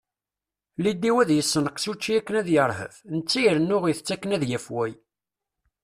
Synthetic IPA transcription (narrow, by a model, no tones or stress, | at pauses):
lid̪ːiwæðjəsːənəqsut͡ʃːiækːənæðjəɾˤɦə̰fnət͡sːijəɾənːʊʁijθə̥t͡sːækːənæðjæfwæj